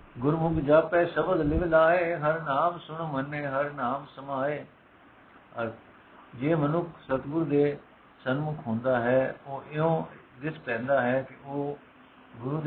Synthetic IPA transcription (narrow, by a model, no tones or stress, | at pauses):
ɡʊɾmʊɡd͡ʒaːpɛːsəbəd̪lɪʋlaːeːɦəɾnaːmsʊɳmənːeːɦəɾnaːmsəmaːeː | əɾ | d͡ʒeːmənʊkʰsət̪ɡʊɾud̪eː | sənmʊkʰɦõːnd̪aːɦɛːoːʔɪõː | d̪ɪspɛ̃ːnd̪aːɦɛːkɪoː | ɡʊɾuːd̪